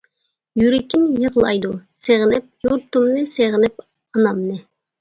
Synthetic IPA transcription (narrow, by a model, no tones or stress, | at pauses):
jyɾɪkʲimjəʁlˠɑ̰jd̪useʁnɪp̚juɾt̪umnɨseʁɪnɪp | ɑnɑmnɨ